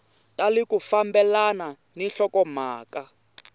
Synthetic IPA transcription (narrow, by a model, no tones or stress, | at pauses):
tʼalikufambɛlana | ninɬɔkɔm̤aːka